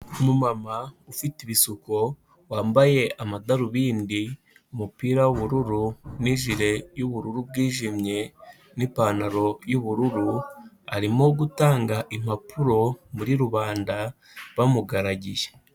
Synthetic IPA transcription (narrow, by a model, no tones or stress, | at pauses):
mumamaufitiβisuko | waːmbaje̞ʔamadaɾuβiːndi | umupiːɾawuβuɾuɾuniʒiɾe̞juβuɾuɾub̚ɡiːʒimɲe̞ | nipaːnaɾo̞juβuɾuɾu | aɾimo̞ɡutaːŋɡaʔim̥apuɾo̞muɾiɾuβaːnda | βamuɡaɾaɟije